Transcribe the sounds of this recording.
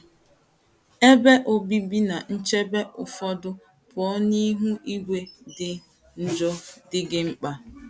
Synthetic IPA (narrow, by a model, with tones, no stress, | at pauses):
e˦be˦ʔo˦bi˦bi˦na˨n̩˦t͡ʃe˦be˦ʔʊ˨fɔ˦dʊ˦ | pɔ˨˦ni˦ɦu˦ʔi˦ɡʷe˦dɪ˦ | n̩˨d͡ʒɔ˦dɪ˦ɡɪ˦ŋ͡m̩˦k͡pa˦